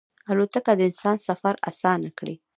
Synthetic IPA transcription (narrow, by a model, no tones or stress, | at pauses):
alot̪akad̪əɪnsɑnsafaɾa̰sɑnakɽḭ